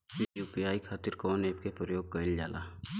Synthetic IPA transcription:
juːpijaːikʰaːt̪ɪɾkɔːneːp̚kepɾəjoːɡ̚kɐɪld͡ʒa̰ːla̰ː

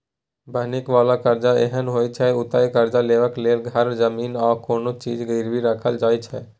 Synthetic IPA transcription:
bʱənikʋalakəɾd͡ʒaḛɦənɦojt͡ʃʰɛut̪ajkəɾd͡ʒaleʋəklelɡʱəɾd͡ʒəmiːnaːkoːnot͡ʃid͡ʒɡəɪɾbiɾəkʰəld͡ʒaːjt͡ʃʰɛ

